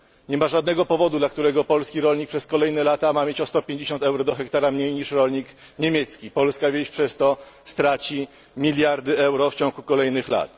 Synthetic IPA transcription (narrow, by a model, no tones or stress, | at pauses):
ɲɛmaʐad̪nɛɡɔpɔvɔd̪ud̪lakt̪uɾɛɡɔpɔlskʲiɾɔlɲik̚pʂɛskɔlɛjnɛlat̪amamʲjet͡ɕɔst̪ɔpʲjeɲd͡ʑeɕɔnt̪ɛwɾɔd̪ɔxɛkt̪aɾamɲejɲiʂɾɔlɲik | ɲemʲjet̪skʲipɔlskavʲjeɕpʂɛst̪ɔst̪ɾat͡ɕi | mʲilʲjaɾd̪ɘɛwɾɔft͡ɕɔ̃ŋɡukɔlɛjnɘxla̰t̪